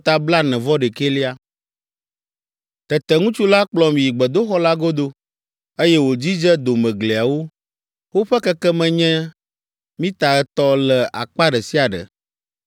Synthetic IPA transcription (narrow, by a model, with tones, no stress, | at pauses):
t̪a˦bla˦nɛ̃˨vɔ˦ɖɛ˨ke˦li˦a˦ | t̪ɛ˨t̪ɛ˨ŋũ˦t͡ʃu˦la˦k͡plɔ˦mĩ˨ji˨ɡ͡bɛ˨d̪o˦xɔ˦la˦ɡo˦d̪o˦ | e˦jɛ˦wo˨d͡ʑi˦d͡ʒɛ˦d̪o˨mɛ̃˨ɡle˨a˨wo˦ | wo˦ɸɛ˦kɛ˦kɛ˦mɛ̃˨ɲɛ̃˦ | mĩ˦t̪a˨ɛ˦t̪ɔ˦lɛ˨a̰˨k͡pa˦ɖɛ˨si˦a˨ɖɛ̰˨